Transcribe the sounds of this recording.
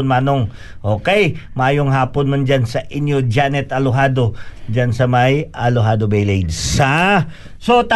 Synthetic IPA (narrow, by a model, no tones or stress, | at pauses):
nmaːnoŋ | ʔoːkɛjmɐʔaːjoŋɦaːponmɐnd͡ʒansɐʔɪnjod͡ʒanɛt̪ɐloɦaːd̪o̞d͡ʒansɐmajʔɐloɦaːd̪obɛjlejd̪sa | sot̪a